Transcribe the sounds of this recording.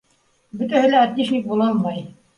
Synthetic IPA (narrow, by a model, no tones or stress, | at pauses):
bɵ̆t̪æhɘ̆lææt̪ːiʃik̚bulˠɑlmɑj